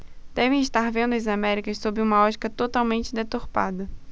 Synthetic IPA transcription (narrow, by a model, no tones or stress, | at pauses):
d̪̥ɛvẽj̃ɪʃt̪aɾvẽnd̪ʊɐzamɛɾikɐssobɾɪũmɐɔt͡ʃi̥kɐt̪ot̪awmẽnt͡ʃɪd̪et̪oɾpa̰d̪ɐ